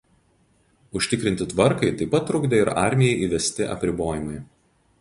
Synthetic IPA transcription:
ʊʃʲt̪ʲɪkɾʲɪnʲt̪ʲɪt̪ʋɐɾkɐɪt̪ɐɪpɐt̪ːɾʊɡd̪ʲeːɪɾɑ̰ˑɾʲmʲɪjɛɪʔiːʋʲɛsʲt̪ʲɪʔɐ̰pʲɾʲɪboːjɪmɐɪ

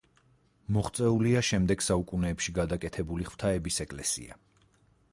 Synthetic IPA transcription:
mɔχt̪sʼɛuliaʃɛmd̪ɛɡsaukʼunɛːpʃiɡad̪akʼɛt̪ʰɛbuliχw̥t̪ʰaɛbisɛkʼlɛsḭa̰

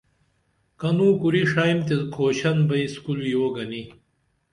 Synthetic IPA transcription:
kɐnuːkuɾiʂaːjmt̪ekʰoːɕɐnbɐiskulujoːɡɐni

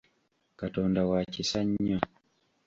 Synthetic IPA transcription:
katɔndawat͡ʃisaɲːɔ

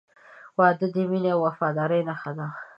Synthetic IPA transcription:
wɑd̪əd̪emineawːafɑd̪ɑɾəjnaxad̪a

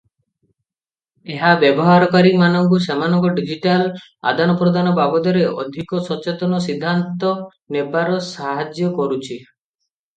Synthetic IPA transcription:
eɦabjɔbɔɦaɾɔkaɾimanɔŋkus̬emanɔŋkɔɖid͡ʒiʈal | a̰d̪anɔpɾɔd̪ʱanɔbabɔd̪ɔɾeʔɔ̰d̪ʱikɔsɔt͡ʃet̪ɔnɔs̬id̪ʱːant̪ɔ | nebaɾɔsaɦad͡ʒjɔkɔɾut͡ʃʰi

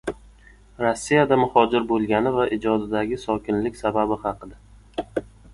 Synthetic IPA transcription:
ɾosːijad̪amʊhɒd͡ʒɪɾbolˠɡʲanɪvaʔɪd͡ʒɒd̪ɪd̪aɡʲɪsɒkʲʰɪnlɪkʲsababɪhɑqʰɨd̪a

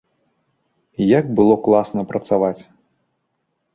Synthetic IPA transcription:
jaɡbɨlˠɔklˠasnɐpɾɐt̪savat͡sʲ

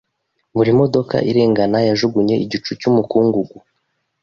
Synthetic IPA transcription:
βuɾimo̞do̞ka̰ʔiɾe̞ːŋɡanajaʒuɡuɲe̞ʔiɟit͡ʃucumukuːŋɡuɡu

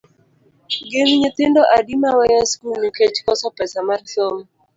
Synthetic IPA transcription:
ɡenɲit̪ɪndɔʔadimawajaskulnuket͡ʃkɔsɔpɛsamarsom

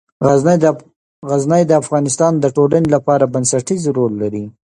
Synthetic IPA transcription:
ɣaz | ɣaznəjd̪əafɣɑnɪst̪ɑnd̪əʈolanelapɑɾabansaʈizɾolːaɾi

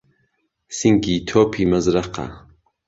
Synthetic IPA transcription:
siŋɡit̪ʰoːpʰimɐzɾɐqa̰

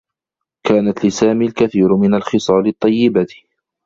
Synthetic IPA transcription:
kaːnat̪lɪsaːmiːlkaθiːɾmɪnalxɪsˤɑːlɪt̪ˤːɑjːɪbat̪

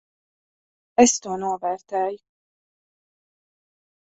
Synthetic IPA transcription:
ɛst̪uɔnuɔvɛːɾt̪ɛːju

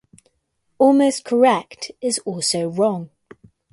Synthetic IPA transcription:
ɔːlˠməʊskʰəɹɛk̚tʰɪzɔˑlˠsəʊɹɒ̃ŋ

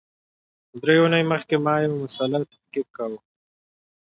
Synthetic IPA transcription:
d̪ɾewunajməxkemɑjawmʊsɑlɑt̪ḁhkik̚kawə

